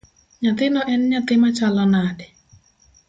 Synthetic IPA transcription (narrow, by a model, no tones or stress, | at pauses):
ɲat̪ɪnɔʔɛnɲat̪ɪmat͡ʃalɔnadɛ